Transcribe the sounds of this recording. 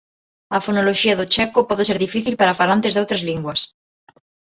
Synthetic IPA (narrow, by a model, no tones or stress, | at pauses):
ɐfonoloʃiɐðot͡ʃɛkopɔðeseɾðifiθilpaɾafalant̪ezðowt̪ɾazliŋɡwɐs